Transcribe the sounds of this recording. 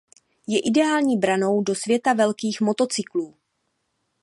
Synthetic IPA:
jɛʔɪdɛaːlɲiːbɾano̞wdo̞svjɛt̪avɛlkiːxmo̞t̪o̞t͡sɪkluː

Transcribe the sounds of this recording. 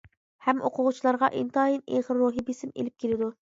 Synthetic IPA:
hɛmʔo̰qʰʊʁʊt͡ʃʰilˠɑɾʁɑʔint̪ɑineʁɾːuɦibesɪmḛlɪp̚kʲʰelɪd̪u

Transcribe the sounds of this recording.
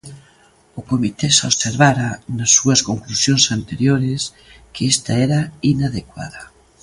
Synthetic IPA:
ʊkomit̪esoβseɾβaɾanasːuɐskoŋklusjõnsant̪eɾjoɾɪs | keest̪aɛɾainaðekwa̰ðɐ

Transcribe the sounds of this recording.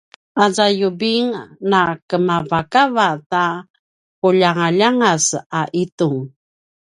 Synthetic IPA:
ʔazajubiŋnakəmavakavata | puʎaŋaʎaŋasaʔituŋ

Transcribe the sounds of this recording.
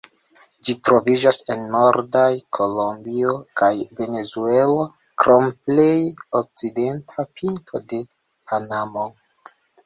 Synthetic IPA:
d͡ʒitɾo̞vid͡ʒase̞nːoɾdajkʰolombiokajve̞ne̞zuelo | kɾomplejok̚t͡side̞ntʰapintʰode̞ | pʰanamo

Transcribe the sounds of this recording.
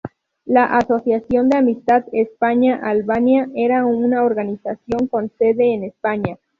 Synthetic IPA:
laʔaso̞sjasjo̞nd̪e̞amist̪aðespaɲaʔalβanjaʔe̞ɾaunaoɾɣanisasjo̞ŋko̞nse̞ðe̞ːnespaɲa

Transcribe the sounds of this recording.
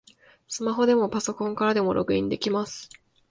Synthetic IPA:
sɨmaɦo̞d̪e̞mo̞paso̞kõ̞ŋkaɾad̪e̞mo̞ɾʔo̞̰kɯ̟ĩnd̪e̞kʲimasɨ̥

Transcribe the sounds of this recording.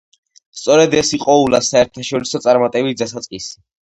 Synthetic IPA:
st̪sʼɔɾɛd̪ɛsiqʼɔulasaɛɾt̪ʰaʃɔɾisɔt̪sʼaɾmat̪ʼɛbit̚d̪asat̪sʼqʼisi

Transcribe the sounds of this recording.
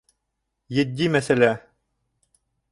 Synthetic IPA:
jɘ̆d̪ʲːimæsælʲæ

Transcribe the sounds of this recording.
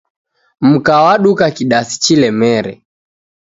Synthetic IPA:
m̩kawaɗukakiɗasi̥t͡ʃilɛmɛɾɛ̰

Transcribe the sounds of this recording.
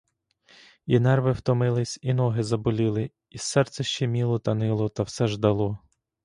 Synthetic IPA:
inɛrʋɪwt̪ɔmɪlˠɪsʲinɔɦɪzɐbʊlʲilˠɪ | isɛrt̪sɛʃt͡ʃɛmʲilˠɔt̪ɐnɪlˠɔt̪ɐwsɛʒd̪ɐlˠɔ

